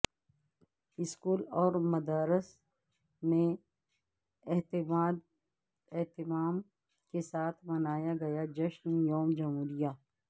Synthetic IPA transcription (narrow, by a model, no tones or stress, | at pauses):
ɪskuːlɔːɾmɐd̪aːɾɪs | mẽ | ɛɦt̪aːd̪ | ɛɦt̪ɪmaːm | kesaːt̪ʰmɐnaːjaɡɐjad͡ʒɐʃnjoːmd͡ʒɐmɦuːɾijaː